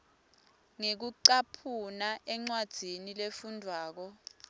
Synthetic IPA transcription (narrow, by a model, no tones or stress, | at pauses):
ŋek̬uǀapʰunaʔɛŋ͡ǀwad̥z̥ʱinilefundʱwaːk̬ɔ